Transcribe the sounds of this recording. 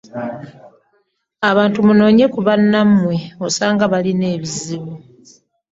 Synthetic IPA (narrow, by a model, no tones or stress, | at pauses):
aβaːntumuno̞ːɲe̞kuβanːamːwe̞o̞saːŋɡaβaline̞ːβiziβu